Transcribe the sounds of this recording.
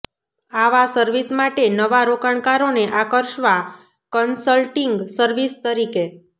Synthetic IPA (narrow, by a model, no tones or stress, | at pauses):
aʋasəɾʋismaʈenəʋaɾokəɳ̃kaɾoneʔakəɾʃʋa | kənsəlʈiŋɡsəɾʋist̪əɾike